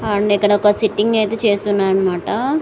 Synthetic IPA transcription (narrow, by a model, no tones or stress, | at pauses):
aːɳikːɐɽɐɔkɐsiʈːiŋɡɐjt̪e̞ːt͡ʃe̞ːst̪unːaːɾɐnɐmaːʈɐ